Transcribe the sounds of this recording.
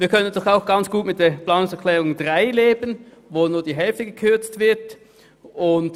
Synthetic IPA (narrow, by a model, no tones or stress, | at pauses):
viːɐkʰœnəndɔχaʊxɡ̥ant͡sɡ̥uːtmɪt̚d̥eːɐpl̥aːnʊŋsɛɐkʰl̥ɛːʁʊŋdʁaɪleːbən | voːnuːɐdiːɦɛlftəɡəkʰʏɐt͡stv̥ɪɐt | ʔʊnt